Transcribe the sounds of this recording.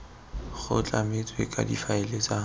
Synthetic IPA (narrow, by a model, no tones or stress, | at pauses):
χʊ̰t͡ɬʼamɪt͡sʼwekʼa̰difaɪlet͡sʼa